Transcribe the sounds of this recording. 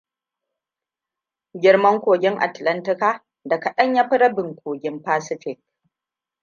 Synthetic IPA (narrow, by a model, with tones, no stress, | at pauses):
ɡʲɪ˦ɽmɐ˦ŋkʷoː˨ɡʲɪ˦ŋʔa̰˨tlɐ˦ntɪ˦kaː˦˨ | dɐ˨kɐ˨ɗɐ˦ɲja˦ɸɪ˦ɽɐ˦bɪ˨ŋkʷoː˨ɡʲɪ˦mpaː˦sɪ˦ɸɪ˦k̚